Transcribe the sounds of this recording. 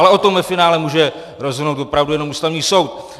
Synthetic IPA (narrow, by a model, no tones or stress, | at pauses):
lɛʔo̞t̪o̞mvɛfɪnaːlɛmuːʒɛ | ɾo̞zɦɪnowt̪vopɾavdujɛno̞mʔuːst̪avɲiːso̞wt̪